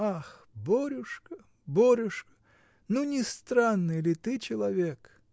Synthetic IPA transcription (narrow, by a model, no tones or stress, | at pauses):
ax | boɾʲʊʂkə | boɾʲʊʂkə̥ | nunʲɪst̪ɾanːɨlʲɪt̪ɨt͡ɕɪlˠɐvʲek